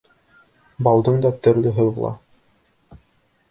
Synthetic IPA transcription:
bɑlˠd̪ɤɴd̪ɑt̪ɵ̆ɾlɵɦɤ̆wlˠɑ̰

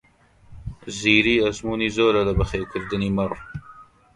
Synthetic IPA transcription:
ziːɾiːɐzmuːniːzoːɾɐlɐbɐxeːkʰɨɾd̪ɨniːmɐr

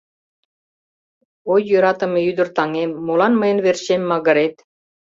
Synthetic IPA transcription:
ojːøɾɑt̪ə̆meyd̪ə̆rt̪ɑŋemːolɑnməjə̆nβerɕemːɑɣə̆ɾet̪

